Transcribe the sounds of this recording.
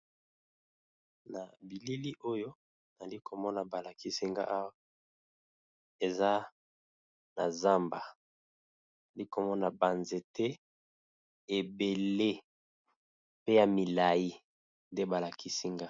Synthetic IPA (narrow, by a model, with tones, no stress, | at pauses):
na˨bi˨li˦li˦ʔo˦jo˦ | na˨li˦ko˨mɔ˦na˨ba˨la˨ki˦si˦ŋɡa̰˦ʔa˦wa˦ | e˨za˦ | na̰˨za˦mba˨ | na˨li˦ko˨mɔ˦na˨ba˨nze˨te˦ | e˨be˨le˦ | pe˦ja˨mi˨la˨ji˦ | nde˦ba˨la˨ki˦si˦ŋɡa˦